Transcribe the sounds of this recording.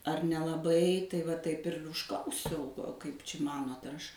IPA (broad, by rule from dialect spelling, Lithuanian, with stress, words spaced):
ɐr nʲɛlˠɐˈbɐɪ tɐɪ ʋɐ ˈtɐɪp ɪr ʊʃˈklˠɐʊsʲɛʊ ˈkɐɪp t͡ʃʲɪ ˈmɑːnoːt ɐr ˈɐʃ